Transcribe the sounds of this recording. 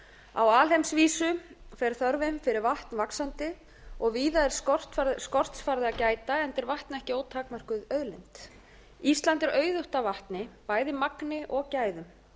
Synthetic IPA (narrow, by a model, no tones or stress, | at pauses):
a̰waːlhejmsviːsʏfɛɾ̥θœɾvɪmfɪɾɪɾvaht̪nvaksant̪ɪ | ɔɣviːðaɛɾ̥st̪faɾskɔr̥t̪sfaɾðɪacaːjt̪aɛnt̪ɛɾvaht̪nɛhcɪoːwt̪ʰaːkmar̥kʏðœðlɛnt̪ | ist̪lant̪ɛɾœːɥðʏht̪avaht̪nɪpaːjðɪmaknɪʔɔɣcaːjðʏm